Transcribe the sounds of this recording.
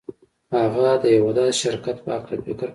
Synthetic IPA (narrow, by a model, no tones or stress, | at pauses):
haɣad̪əjawad̪ɑd̪ʃɪɾkat̪pəhaklafɪkɾ